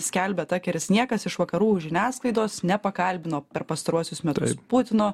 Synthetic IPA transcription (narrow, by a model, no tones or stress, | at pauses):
sʲkʲɛlʲbʲɛt̪ɑːkʲɛɾʲɪsnʲiɛkɐsɪʃʋɐkɐɾuːʒʲɪnʲæːsklˠɐɪd̪oːsnʲɛpɐkɐlʲbʲɪnoːpʲɛɾpɐst̪ɐɾuɔsʲʊsmʲɛt̪ʊspʊt̪ʲɪnoː